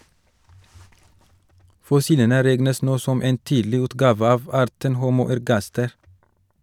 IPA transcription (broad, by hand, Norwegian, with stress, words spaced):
fɔˈsiːlənə ˈɾɛɡnəs ˈnoː ˈsɔm ˈeːn ˈtiːdlɪ ˈʉːtɡɑːʋə ˈɑːʋ ˈɑːɾtən ˈhuːmuː æɾˈɡɑstɛɾ